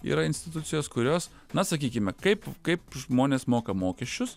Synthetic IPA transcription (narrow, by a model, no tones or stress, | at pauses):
ḭːɾɐɪnʲsʲt̪ʲɪt̪ʊtsʲɪjoːskʊɾʲoːs | nɐsɐkʲiːkʲɪmʲɛkɐɪpkɐɪpʒmoːnʲeːsmoːkɐmoːkʲɛʃʲt͡ʃʲʊs